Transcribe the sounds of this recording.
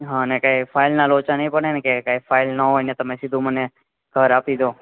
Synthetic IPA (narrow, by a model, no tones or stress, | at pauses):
ɦãənekaifʰailnalot͡ʃanəĩpəɳenekekaifailnəɦojnet̪əmesid̪ʱũməne | ɡʱəɾapid͡ʒo